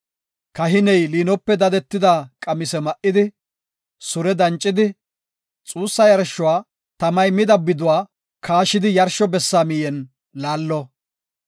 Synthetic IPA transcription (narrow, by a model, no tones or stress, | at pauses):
kɐɦɪnɛjliːnɔpːɛd̪ɐd̪ɛt̪ːɪd̪akʼɐmɪsɛmɐʔɪd̪ɪ | sʊɾɛd̪ɐnt͡ʃʼːɪd̪ɪ | t͡sʼuːsːɐjɐɾʃːʊwaː | t̪ɐmɐjmɪd̪ɐbːɪd̪ʊwaː | kʰaːʃɪd̪ɪjɐɾʃɔbɛsːaːmɪjɛn | laːlːɔ